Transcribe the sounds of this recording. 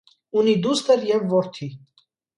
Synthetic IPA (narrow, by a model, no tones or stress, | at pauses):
unid̪ust̪əɾjɛvːɔɾt̪ʰi